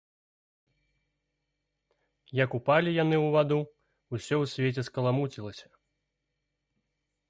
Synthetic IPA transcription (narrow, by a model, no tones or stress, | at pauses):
jɐkupalʲijanɨwvad̪u | usʲɔwsʲvʲet͡sʲɛskɐlˠamut͡sʲilˠɐsʲɐ̥